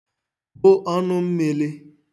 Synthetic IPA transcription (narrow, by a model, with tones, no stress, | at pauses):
bʊ˦ʔɔ˦nʊ˦m̩˦me˨le˦